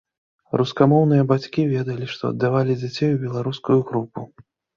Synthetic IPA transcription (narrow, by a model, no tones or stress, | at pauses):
ɾuskamɔwn̪ɨjɐbat͡sʲkʲivʲɛd̪ɐlʲiʂt̪ɔ̰ɐ̰d̪ːavalʲid͡zʲat͡sʲejubʲɛlˠaɾuskujuɣɾupu